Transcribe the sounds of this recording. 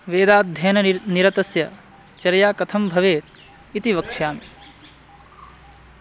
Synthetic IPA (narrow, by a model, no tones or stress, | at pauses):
ʋeːd̪aːt̪̚d̪ʱjɐːnɐniɾɐt̪ɐsjɐ | t͡ʃɐɾɐjaːkɐt̪ʰɐmbʱɐʋeːt̪̚ | it̪iʋɐkʂjaːmi